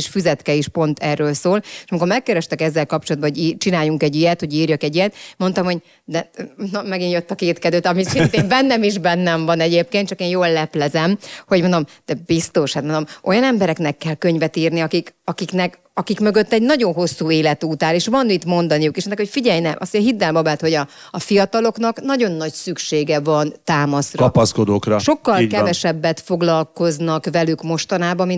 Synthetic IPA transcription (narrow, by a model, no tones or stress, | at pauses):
ʃfyzɛt̪kɛiʃpo̞nt̪ɛrːøːlsoːleʃɒmiko̞ɾmɛkːɛɾɛʃt̪ɛkɛzːɛlkɒp̚t͡ʃolɒd̪̚bɒɦo̞ɟit͡ʃinaːjuŋkɛɟːijɛt̪ho̞ɟiːrjøkɛɟijɛt̪mo̞nt̪ɒmhoɟ | d̪ɛnɒmɛɡinjøt̪ːɒkeːt̪kɛd̪øːt̪ɒmisint̪embɛnːɛmiʒbɛnːɛɱvɒnɛɟeːp̚keːnt̪t͡ʃɒkeːnjoːlːɛplɛzɛmho̞ɟmond̪o̞md̪̥ɛbist̪o̞ʃhat̪mond̪omʔo̞jɒnɛmbɛɾɛknɛkːɛlkøɲvɛt̪iːrniɒkikɒkiknɛk | ɒkikmø̞ɡø̞t̪ːɛɟnɒɟo̞nɦo̞sːuːeːlɛt̪uːt̪aːleːʃʋɒnit̪mo̞nd̪ɒnijukeːʃɛnːɛkho̞cfiɟɛjnɛmʔɒ̰sɦid̪ːɛlmɒbɛt̪ho̞ɟɒː | fijɒt̪ɒlo̞knɒknɒɟo̞nːɒɟsykʃeːɡɛvɒnt̪aːmɒsrɒpɒskod̪oːkrɒʃo̞kːɒlkɛvɛʃɛbːɛt̪fo̞ɡlɒlko̞znɒkvɛlykmo̞ʃt̪ɒnaːbɒmi